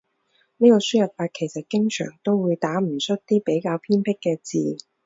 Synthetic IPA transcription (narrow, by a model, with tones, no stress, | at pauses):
niː˥kɔː˧syː˥jɐ˨t̚faː˧t̚kʰe˨˩jsɐ˨t̚kɪ˥ŋt͡ʃʰœ̰ː˨˩ŋt̪o˥wwuː˨˧jt̪aː˨˥m̩˨˩sɵ˥t̚t̪iː˥pe˨˥jkaː˧wpʰiː˥npʰɪ˥kːɛː˧t͡siː˨